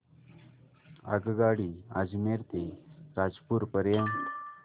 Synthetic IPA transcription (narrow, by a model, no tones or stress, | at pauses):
a̰ɡɡaɽiːa̰d͡zmeɾt̪eɾad͡zpuːɾpəɾjəm